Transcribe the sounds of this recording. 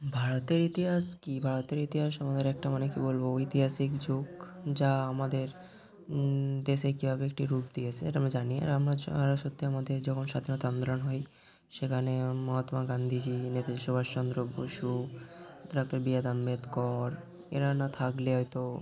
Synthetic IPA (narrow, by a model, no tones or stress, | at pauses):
bʱaɾot̪eɾit̪iɦaskibʱaɽot̪eɾit̪iɦaʃamad̪eɾɛk̚ʈamanekibolboit̪iɦasikd͡ʑoɡd͡ʑaamad̪eɾ | d̪eʃekibʱabeek̚ʈiɾup̚d̪ijet͡ɕʰeḛʈaamɾad͡ʑaniḛamɾaaɾaʃot̪ʰːiamad̪eɾd͡ʑɔkʰonʃad̪ʱinot̪and̪olonɦɔj | ʃekʰanemɔɦɔt̪maɡand̪ʱid͡ʑinet̪aaʃobʱaʃt͡ɕɔnd̪ɾoboʃu | ɖak̚t̪aɾbiad̪amːet̪kɔɾ | ḛɾanat̪ʰakleɦɔjt̪o